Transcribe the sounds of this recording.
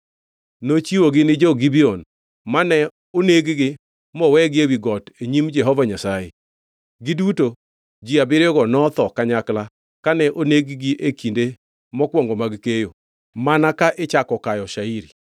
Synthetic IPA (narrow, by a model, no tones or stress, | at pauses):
not͡ʃiwoɡɪnɪd͡ʒɔɡibiɔn | manɛ | oneɡɡɪ | mɔwɛɡɪewiɡɔteɲimd͡ʒɛɦɔvaɲasaje | ɡɪduto | d͡ʒiabɪɾɔɡɔnɔt̪ɔkaɲakla | kanɛʔoneɡɡiʔekinde | mɔkwɔŋɡɔmaɡkejo | manakaʔɪt͡ʃakɔkajɔʃaiɾi